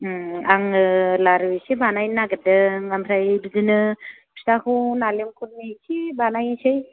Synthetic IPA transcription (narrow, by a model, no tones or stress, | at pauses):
aŋɯlaɾwisibanajnaɡɯdɯŋamʰɾajdudinɯ | pʰi̥stakʰunalemkʰuɾmisʰibanajsɯj